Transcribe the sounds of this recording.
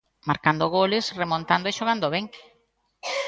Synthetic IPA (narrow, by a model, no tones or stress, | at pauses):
maɾkand̪oɣ̞olesremõnt̪and̪oeʃoɣ̞and̪oβeŋ